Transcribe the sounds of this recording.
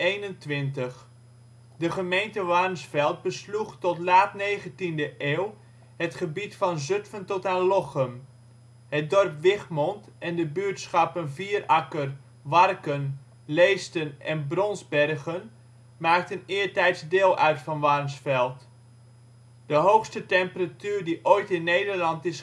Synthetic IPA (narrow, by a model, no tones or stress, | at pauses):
ejnəntʋɪntəχ | dəχəmejntəʋarmsfɛlˠt̚bəsluxtɔtlaːtneːɣəntindəʔeːw | hətχəbitfɑnzøtfəntɔtanlɔχəm | hət̚dɔrpʋɪχmɔntʔɛndəbyətsχɑpənviːərʔɑkər | ʋɑrkən | leːstənɛnbrɔnzbɛrɣən | maːk̚tənɪːəɹtɛjtsdeːlˠʔœɥtfɑnʋarmsfɛlˠt | d̥əɦowxstətɛmpəratyːrdiʔojtɪnːejdərlɑntɪs